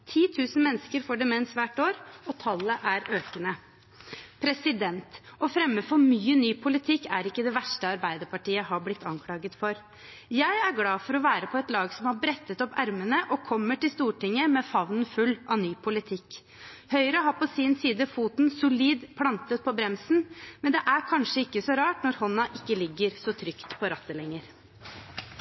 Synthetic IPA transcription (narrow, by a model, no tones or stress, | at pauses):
t̪ʰiːt̪ʰʉːsən̩mɛnːskəɾfoːɖɛmɛɛnsʋæːʈoːɾɔt̪ʰɑlːəʔæɾøːkənə | pʰɾɛsɪd̪ɛnt̪ɔfɾɛmːəfɔɾmyːənyːpʰʊlɪt̪ʰɪkːæɾɪkːəd̪ɛʋæʂʈəɑɾbæɪd̪əɾpɑʈiːəɦɑblɪt̪ːɑŋkʰlɑːɡət̪fɔɾ | jæɪæɾɡlɑːfɔɾɔʋæːɾəpʰɔɛt̪lɑːɡsɔmhɑɾbɾɛt̪ːət̪ɔpæɾmənəʔɔkʰɔmːəʈɪlst̪uːʈɪŋːəmɛfɑʋnən̩fʉlːʔɑʋnyːpʰʊlɪt̪ʰɪkː | hœʏɾəɦɑpɔsɪnsiːd̪əfuːt̪nsʊliːd̪pʰlɑnt̪ət̪̚pʰɔbɾɛmsn̩mɛnd̪ɛʔæɾkʰɑnʂəɪkːəsɔɾɑːʈnɔɾhɔnːɑʔɪkːəlɪɡːəɾsɔt̪ʰɾʏkt̪pʰɔɾɑt̪ːəlɛŋːəɾ